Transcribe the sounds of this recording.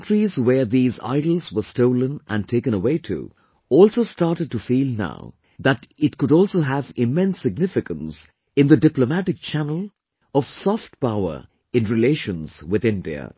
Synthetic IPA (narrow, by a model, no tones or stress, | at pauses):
ntɹizwə˞ðiːza̰ɪɾl̩ˠzwə˞stoʊlə̃nʔæ̰̃n̚tʰeɪkɨ̃ñəweɪtʰṵ | ɔlˠsoʊstɑɹtəd̚tufilˠna̰ʊ | ðætɪtkʊɾɔlˠsoɦævɪmɛ̃nsːɪɡ̚nɪfɪkə̃ns | ɨ̃nd̪ədɪplomæʈɨk̚t͡ʃʰænəl̩ˠ | ɔv̥sɔft̚paʊə̰˞ | ɪ̃nɹɪleɪʃə̃nz̥wɪðɪ̃ndḭə̰